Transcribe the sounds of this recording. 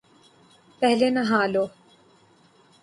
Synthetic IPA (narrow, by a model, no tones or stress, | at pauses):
pɛɦlenɐɦaːloː